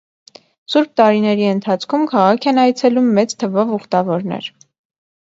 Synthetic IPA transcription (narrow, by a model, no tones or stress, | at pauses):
suɾb̚t̪ɑɾinɛɾiənt̪ʰɑt͡sʰkʰumkʰɑʁɑkʰɛnɑjt͡sʰɛlumːɛt͡st̪ʰəvɔvuχt̪ɑvɔɾnɛ̰ɾ